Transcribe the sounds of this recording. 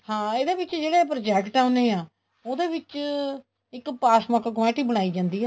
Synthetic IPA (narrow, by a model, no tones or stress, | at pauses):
hãːeːd̪eːʋɪt͡ʃd͡ʒeːɽeːpɾoːd͡ʒɛːkʈaʊneːaː | oːd̪eːʋɪt͡ʃ | ɪkpaːsmaːkkmɛːʈiːbəɽ̃aːiːd͡ʒãːnd̪iːɦɛː